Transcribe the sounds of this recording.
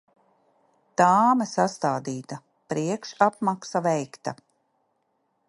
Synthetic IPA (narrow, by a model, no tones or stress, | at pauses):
t̪aːmɛsast̪aːd̪iːt̪a | pɾiɛkʃapmaksavɛjkt̪a